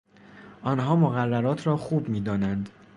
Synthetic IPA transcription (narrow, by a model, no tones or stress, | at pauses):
ʔɒːnɦɒːmoɣærːæɾɒːt̪ʰɾɒːxuːbmiːd̪ɒːnænd̪